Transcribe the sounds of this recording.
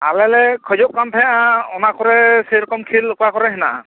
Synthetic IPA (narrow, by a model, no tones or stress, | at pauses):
a̰lɛlɛkʰɔjzɔʔkant̪ʰɛaɔnakɔɹɛseɾɔkɔmkʰilːɔkɔakɔɾɛɦɛna̰ʔã̰